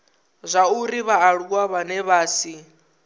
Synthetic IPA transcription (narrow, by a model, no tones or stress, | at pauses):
zʷauɾiβaːɺuk̬waβanɛβaːsi